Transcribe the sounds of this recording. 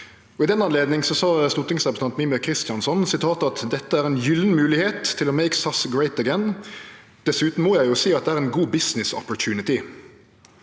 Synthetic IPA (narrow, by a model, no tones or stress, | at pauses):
ɔɪd̪ɛnːɑnleːd̪nɪŋsɔsɑːst̪uːʁt̪ɪŋsʁɛpɾəsʰɑnt̪miːməkʰʁɪst̪jɑnsɔnsɪt̪ʰɑːt̪ɑt̪d̪ɛt̪ːəæːɾɛnjʏlnmʉːlɪheːt̪ʰːɪlɔmeɪksɑsɡɹeɪt̪əɡɛn | d̪̥ɛsʉːt̪n̩mɔjæɪjʊsiːɑt̪d̪ɛæːʁɛːnɡuːbɪsnɪsɔ̰pɔɹt̪ʰʉːnɪt̪ɪ